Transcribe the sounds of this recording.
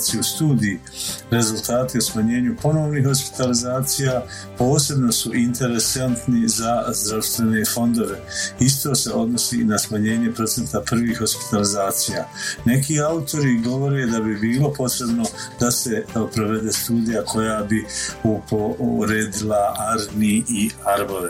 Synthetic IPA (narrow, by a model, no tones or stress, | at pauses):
siust̪uːd̪iji | ɾe̞zulˠt̪aːt̪iusmaɲe̞ːɲupo̞no̞ːʋniːhho̞spi̥t̪alizaːt̪sijaː | po̞ːse̞bno̞suʔint̪e̞ɾe̞sant̪nizazd̪ɾaʋst̪ʋe̞ne̞fo̞nd̪o̞ʋe̞ist̪o̞ːse̞ʔo̞d̪no̞sḭnasmaɲe̞ːɲe̞pɾo̞t̪e̞nt̪apr̩ʋiːhho̞spi̥t̪alizaːt̪sija̰ːne̞kiːaut̪o̞ɾiɡo̞ʋo̞ɾe̞d̪abibiːlo̞po̞t̪ɾe̞bno̞d̪ase̞pɾo̞ʋe̞d̪e̞ːst̪uːd̪ijakʰo̞jaːbiupoɾed̪ilaaɾniiaɾboʋe